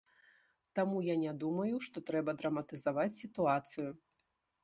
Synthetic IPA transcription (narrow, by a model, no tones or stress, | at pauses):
t̪amujanʲad̪umɐjuʂt̪ɔt̪ɾɛbɐd̪ɾɐmɐt̪ɨzavat͡sʲsʲit̪uat̪sɨju